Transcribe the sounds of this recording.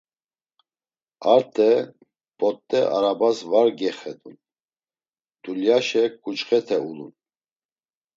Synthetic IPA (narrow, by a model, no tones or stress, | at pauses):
aɾt̪ʰʼɛ | pʼɔt̪ʼːɛʔa̰ɾabasvaɾɡɛχɛd̪un | d̪̥uljaʃɛkʼut͡ʃχɛt̪ʰɛulṵn